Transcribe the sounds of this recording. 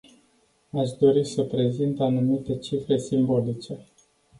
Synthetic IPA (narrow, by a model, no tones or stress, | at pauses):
aʃd̪o̞ɾisəpɾe̞zint̪anumit̪e̞t͡ʃifɾe̞simbo̞lit͡ʃe̞